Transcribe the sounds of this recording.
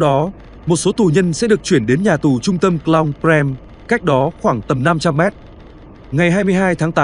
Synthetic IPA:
wɗɔ˨˦ | mo˨˩t̚so˨˦t̪u˧˩ɲə˧nsɛ̰˧˥ɗɨ˨˩ək̚t͡ɕwi˧˩ənɗe˨˦nɲaː˨˩t̪u˨˩t͡ɕʊ˧ŋ͡mt̪ə˧mkla˧wŋpɾɛ˧m | ka˦˥jk̚ɗɔ˨˦xwaː˧˩ŋt̪ə˨˩mna˧mt͡ɕa˧mːɛ˦˥t̚ | ŋa˨˩jɦaː˧jmɨ˧əjɦaː˧jt̪ʰaː˨˦ŋt̪aː˨˦

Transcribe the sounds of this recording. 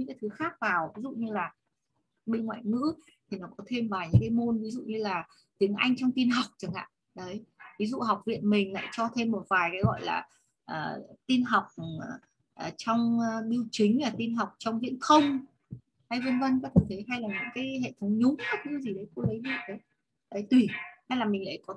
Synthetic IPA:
ɲɨ̰˧˥ŋkaː˨˦t̪ʰɨ˨˦xaː˦˥k̚vaː˨˩wvi˨˦zṵ˧˨ɲɨ˧laː˨˩ | ɓe˧nŋwa̰ː˧˨jŋɨ̰˧˥ | t̪ʰi˨˩nɔ˨˦kɔ˨˦t̪ʰe˧mvaː˨˩ɲɨ̰˧˥ŋkaː˨˦jmo˧nvi˨˦zṵ˧˨ɲɨ˧laː˨˩ | t̪i˨˦əŋʔa˧jŋ̟t͡ɕɔ˧wŋ͡mt̪i˧nɦa˨˩wk͡p̚t͡ɕə˨˩ŋa̰ː˧˨ | ɗə˨˦jvi˨˦zṵ˧˨ɦa˨˩wk͡p̚vḭ˧˨ənmï˨˩ŋ̟la̰ː˧˨jt͡ɕɔ˧t̪ʰe˧mːo˨˩t̚vaː˨˩jkaː˨˦jɣɔ̰˧˨jla̰ː˨˩ | ʔəː˨˩t̪i˧nɦa˨˩wk͡p̚ | ʔːt͡ɕɔ˧wŋ͡mɓi˧wt͡ɕï˨˦ŋ̟laː˨˩t̪i˧nɦa˨˩wk͡p̚t͡ɕɔ˧wŋ͡mzḭ˧˨ənxʰə˧wŋ͡m | ha˧jvə˧nvə˧nkaː˨˦˥t̪ʰə˨˩t̪ʰə˨˦jɦa˧jlaː˨˩ɲɨ̰˧˥ŋkaː˨˦jɦḛ˧˨t̪ʰə˨˦wŋ͡mɲʊ˨˦ŋ͡mkə˦˥t̚ɲɨ˧˦zi˨˩ɗə˨˦jko˨˧˦lə˨˦jzḭ˧˨ɗə˨˦j | ɗə˨˦jt̪wi˧˩ha˧jlaː˨˩mi˨˩la̰ː˧˨jkɔ˨˦

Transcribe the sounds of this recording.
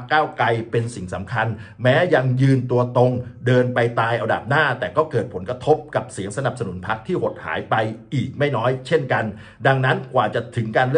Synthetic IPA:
kːaː˥˩wkla˧jpe˧nsi˨˩ŋsa˩˦mkʰa˧nmɛː˦˥ja˧ŋjɯː˧nt̪u˧ɐt̪o˧ŋdɤː˧npa˧jt̪aː˧jʔa˧wda̰ː˨˩p̚naː˥˩t̪ɛː˨˩kɔː˥˩kɤː˨˩t̪̚pʰo˩˦nkɾa˧t̪ʰo˦˥p̚ka˨˩p̚si˩˦əŋsa˧na˨˩p̚sa˧nu˩˦npʰa˦˥k̚t̪ʰiː˥˩ho˨˩t̪̚ha̰ː˩˦jpa˧jʔiː˨˩k̚ma˥˩jnɔː˦˥jt͡ɕʰe˥˩nka˧n | da˧ŋna˦˥nkwaː˨˩t͡ɕa˨˩t̪ʰɯ˩˦ŋkaː˧nlɯ˥

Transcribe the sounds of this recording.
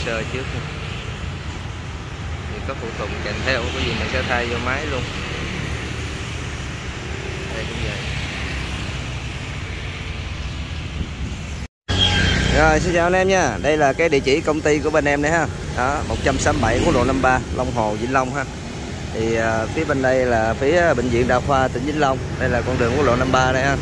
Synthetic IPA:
səː˧t͡ɕɨ˦˥ək̚ɲa˧ | vɨ˨˩kɔ˨˦fṵ˧˩t̪ʊ˨˩k͡p̚kɛ˨˩mt̪ʰɛ˧wkɔː˨˦jzi˨˩ma˨˩ŋsɛ̰˧˥t̪ʰaː˧jzɔ˧maː˨˦jlu˧ən | ɗə˧jkʊ̰˧˨˦ŋ͡mzə˨˩j | zɔ˨˩jsɨ˧˦ŋt͡ɕaː˧˨wə˨˧nʔɛ˧mɲaː˧˩ɗə˧jlaː˨˩kaː˨˦jɗḭ˧˨ət͡ɕi˧˩kə˧wŋ͡mt̪i˧ku˧˩əɓe˧nʔɛ˧mɗə˨˧jhaː˧˩ɗɔ˨˦mo˨˩t̚t͡ɕa˧msaː˨˦mɓa˧˩jku˨˧˥k̚ɗo̰˧˨na˧mɓaː˧lʔə˧wŋ͡mɦo˨˩zḭ˧˨˦nlə˧wŋ͡mɦaː˧ | t̪ʰi˨˩əː˨˩fi˨˦əɓe˧nɗə˧jlaː˨˩fi˨˦əɓḭ̈˧˨ŋ̟zḭ˧˨ənɗa̰ː˧˩xwaː˧t̪ï˧˩ŋ̟zi˨˦n̟lə˧wŋ͡mɗə˧jlaː˨˩kɔ˧nɗɨ˨˩əŋu˨˦˥ɗo̰˧˨˧na˧mɓaː˧ɗə˧˦jhaː˧˩

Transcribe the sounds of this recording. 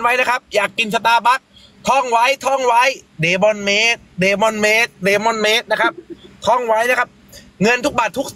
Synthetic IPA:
nwa˦˥jna˦˥kʰa˦˥p̚jaː˨˩kːi˧ns̬a˧t̪aː˧˩ba˦˥˩k̚ | t̪ʰɔː˧˥˩ŋwa˦˥jt̪ʰɔː˥˩ŋwa˦˥jdeː˨˦bɔ˧nmeː˦˥t̪̚deː˨˦bɔ˧nmeː˦˥t̪̚deː˨˦mɔː˧nmeː˦˥t̪̚na˦˥kʰa˦˥p̚t̪ʰɔː˥˩ŋwa˦˥jna˦˥kʰa˦˥p̚ | ŋɤ˧nt̪ʰu˦˥k̚baː˨˩t̪ʰːu˦˥k̚

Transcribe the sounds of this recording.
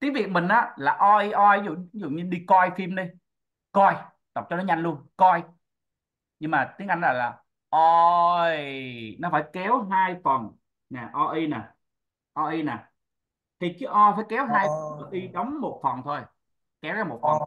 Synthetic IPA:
t̪i˨˦əŋvi˨˩ək̚mï˨˩ŋ̟ʔaː˨˦laː˨˩ʔɔ˧ʔi˧ʔɔ˧jzṵ˧˨i˦zṵ˧˨ɲɨ˧ɗi˧kɔ˧jfi˧mɗi˧ | kɔ˧j | ɗ̪k͡p̚t͡ɕɔ˧nɔ˨˦ɲa˧jŋ̟lu˧ənkɔ˧j | ɲɨ˧ŋmaː˨˩t̪i˨˦əŋʔa˧jŋ̟zɔː˨˩jlaː˨˩ | ʔo˧jnɔ˨˦faː˧˩jkɛ˨˦wɦaː˧jfə˨˩n | nɛ˨˩ʔɔ˧ʔi˧nɛː˨˩ | ʔɔ˧ʔi˧nɛ˨˩ | t̪ʰi˨˩t͡ɕɨ˨˦ʔɔ˧jfaː˧˩jkɛ˨˦wɦaː˧jfə˨˩nə˨˩ʔi˧ɗɔ˨˦wŋ͡mmo˨˩t̚fə˨˩nt̪ʰo˧j | kɛ˨˦wzaː˧mo˨˩t̚fə˨˩n

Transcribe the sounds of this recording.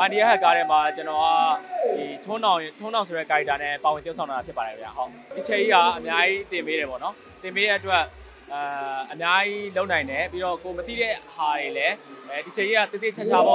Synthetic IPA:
pã˨ni˨ɛ˦ka˦˨ka˦ɾɛ˦ma˨t͡ɕənɔ˨a˦di˨tʰʊ̃˦nã˨tʰʊ̃˦nã˨ʊ̃so˨ɾɛ˦˨ka˨ta˨nɛ˦˨pa˨wɪ̃˨jsã˨na˨a˨pjɪ˦pːa˨ɛ˨kʰə˦mja̰˦˨ɦo˦ʊʔ | ʔi˨t͡ɕʰe˨ʔi˦ɦa˨ʔəmja˦ji˦t̪ɪ̃˨mbe˦ɾɛ˨pɔ̰˦˨nɔ˦ | t̪ɪ̃˨mbe˦ɾɛ˦˨ʔətwɛ˦ʔ | ʔəmja˦ji˦lo˦ʊʔnã˨ɪ̃ndɛ˨pi˦ɾɔ˦˨ko˨mət̪ḭ˦˨ɾɛ˦ha˨ɹe˨lɛ˦˨ʔi˨t͡ɕʰe˨ʔi˦a˦˨t̪ẽ˨t̪ɪ˦˨t͡ɕʰa˦t͡ɕʰa̰˦˨ɔ̰˦˨

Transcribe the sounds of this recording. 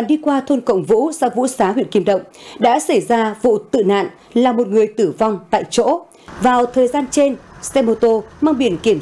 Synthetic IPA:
nɗi˧kwaː˧t̪ʰo˧nkə̰˧˨wŋ͡mvṵ˧˥saː˧˦vṵ˧˥saː˨˦ɦwḭ˧ənki˧əmɗə̰˧˨wŋ͡mɗa̰ː˧˥sa˧˩jzaː˧vṵ˧˨t̪ɨ̰˧˨na̰ː˧˨n | laː˨˩mo˨˩t̚ŋɨ˨˩əjt̪ɨ˧˩va˧wŋ͡mt̪a̰ː˧˨jt͡ɕo̰˧˥ | vaː˨˩wt̪ʰəː˨˩jzaː˧nt͡ɕe˧nsɛ˧mo˧t̪o˧maː˧ŋɓi˧˩ənki˧˩əm

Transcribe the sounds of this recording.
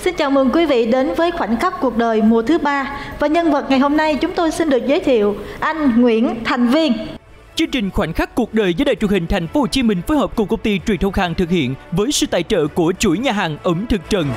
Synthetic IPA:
si˧nt͡ɕaː˨˩wmɨ˨˩ŋkwi˨˦vḭ˧˨ɗe˨˦nvəː˨˦jxwa˧˩jŋ̟xa˦˥k̚ku˨˩ək̚ɗəː˨˩jmu˨˩ət̪ʰɨ˨˦ɓaː˧vaː˨˩ɲə˧nvə˨˩t̚ŋa˨˩jho˧mna˧jt͡ɕʊ˨˦ŋ͡mt̪o˧jsi˧nɗɨ˨˩ək̚zəː˨˦jt̪ʰḭ˧˨əwʔa˧jŋ̟ŋwḭ˧˥ənt̪ʰa˨˩jŋ̟vi˧ən | t͡ɕɨ˧ŋt͡ɕï˨˩ŋ̟xwa˧˩jŋ̟xa˦˥k̚kːu˨˩ək̚ɗəː˨˩jzəː˨˦ɗa̰ː˧˨jt͡ɕu˨˩ŋhï˨˩ŋ̟t̪ʰɛ˨˩jŋ̟fo˧˦t͡ɕi˧mï˨˩ŋ̟fo˨˦jhəː˨˩p̚kʊ˨˩kə˧wŋ͡mt̪i˧t͡ɕwi˨˩nt̪ə˧wŋ͡mhaː˨˩ŋt̪ʰɨ˨˩k̚hḭ˧˨ənvəː˨˦jsɨ̰˧˨t̪a̰ː˧˨jt͡ɕə̰ː˧˨ku˧˩ət͡ɕu˧˩jɲaː˨˩ɦaː˨˩ŋʔə˨˦mt̪ʰɨ˨˩k̚t͡ɕə˨˩n

